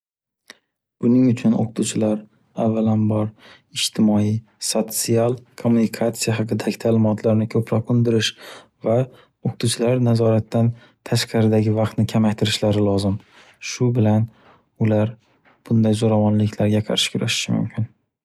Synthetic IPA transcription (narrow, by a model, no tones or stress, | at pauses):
b̥ʊnɪŋʊt͡ʃʰʊno̰qʰʊ̥t̪ʰut͡ʃʰɪlaɾ | avːalanbɒɾ | ɪd͡ʒt̪ʰɪmɒi | sot̪sialˠkʰomːunɪkʰat̪sijaɦɑqʰɨd̪aɡʲɪt̪ʰaːlɪmɒt̪ʰlaɾnɪkʲʰɵpɾɒqʊnd̪ɪɾɪʃ | va | oqʊ̥t̪ʰuwt͡ʃʰɪlaɾnazɒɾat̪ːan | t̪ʰaʃqɑɾɪd̪aɡʲɪvɑqt̪nɪkʲʰamakʲt̪ʰɪɾɪʃlaɾɪlˠɒzɪm | ʃʊbɪlan | ʊlaɾ | b̥ʊnd̪ajzoɾavɒnlɪkʲʰlaɾɡʲaqʰɑ̰ɾʃɪ̥kʲʰʊɾaʃɪ̥ʃɪmʊ̰mkʲʰɪn